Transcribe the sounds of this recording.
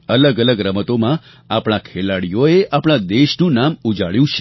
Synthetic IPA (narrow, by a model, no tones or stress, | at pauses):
ələɡələɡɾəmət̪omã | apɽ̃akʰelaɽijoeʔapɳ̃ad̪eʃnũnamud͡ʒaɭjũt͡ʃʰe̥